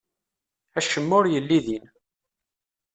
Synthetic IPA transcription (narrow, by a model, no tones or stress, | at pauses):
æʃəmːʊɾjəlːiðin